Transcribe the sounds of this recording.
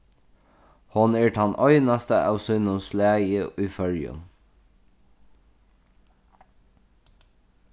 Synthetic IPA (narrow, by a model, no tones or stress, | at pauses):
hɔneːʈɑnʔœʏnɑst̪əʔɑ̰lsɔɪnʊmslæːɡəʔyːfœljʉ̰m